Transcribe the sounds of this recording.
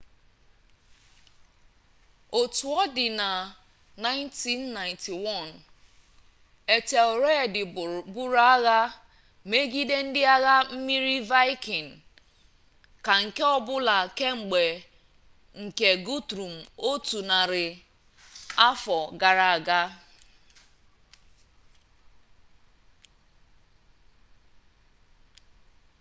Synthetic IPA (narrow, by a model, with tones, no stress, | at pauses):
o˨tu˨ɔ˦dɪ˨na˨ | na˦ɪ˦nti˦nːa˨ɪ̃˨nti˨wɔ˦˨n | e˨te˨o˨ɾe˦˨dɪ˨bu˦ɾa˦ɣa˦ | me˦ɡi˦de˦n̩˦dɪ˦a˦ɣa˦m̩˦mi˦ɾi˦va˦ɪ˦ki˨n̩˨ | ka˨ŋ̩˨ke˦ɔ˦bʊ˦la˨ke˦ŋ͡m̩˨ɡ͡be˨ | ŋ̩˨ke˨ɡu˦tɾu˨m̩˨o˦tu˨na˨ɾɪ˨ | a˦fɔ˨ɡa˨ɾa˨a˨ɡa˦